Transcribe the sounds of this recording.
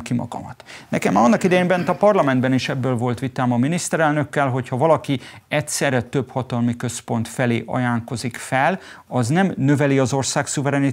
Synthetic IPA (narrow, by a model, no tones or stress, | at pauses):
kimɒ̰ɡɒ̰mɒt̪nɛ̰kɛmːɒnːɒkid̪ɛjeːmbɛnt̪ɒpɒrlɒmɛnd̪bɛniʃɛbːøːlvo̞lt̪ʋit̪aːmɒminist̪ɛɾɛlnø̞kːɛlɦo̞chɒvɒlɒki | ɛtsɛrɛt̪ø̞phɒt̪ɒlmikø̞spo̞nt̪fɛlḛːʔɒ̰jaːŋko̞zikfɛl | ɒznɛmnø̞vɛliɒzo̞rsaːksuvɛɾɛni